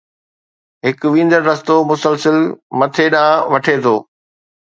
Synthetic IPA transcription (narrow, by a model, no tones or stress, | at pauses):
ɦɪkʊʋĩːnd̪əɾːɐst̪omʊsəlsəlmɐt̪ʰeɗãːʋɐʈʰeːt̪ʰoː